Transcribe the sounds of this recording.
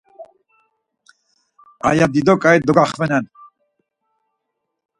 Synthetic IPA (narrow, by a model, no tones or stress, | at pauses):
a̰jad̪id̪ɔkʼajd̪ɔɡaχvɛnɛn